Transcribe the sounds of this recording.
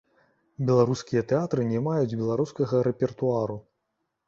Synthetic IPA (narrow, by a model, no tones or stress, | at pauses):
bʲɛlˠaɾuskʲijɐt̪ɛat̪ɾɨnʲɛmajud͡zʲbʲɛlˠaɾuskɐɣɐɾɛpʲɛrt̪uaɾu